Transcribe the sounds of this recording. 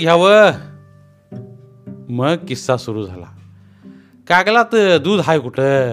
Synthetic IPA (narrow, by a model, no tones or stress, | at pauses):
ɡʱjawə | məɡ̚kisːasuɾud͡zʱala̰ | kakəlat̪d̪ud̪ʱɦajkuʈə